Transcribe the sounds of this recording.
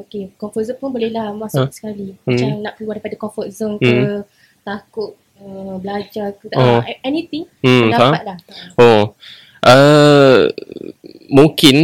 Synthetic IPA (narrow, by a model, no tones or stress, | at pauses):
okekɔ̃mfɔt̚zəmpʊnbolehlahmasasə̥kalimt͡ʃaŋnãʔkəluandajpadakɔfɔt̪̚zəmkə | t̪akʊt̪̚ | əbəlad͡ʒakət̪aoɛnit̪iŋ̩ədaaat̪̚laho | ʔə | muŋkɪn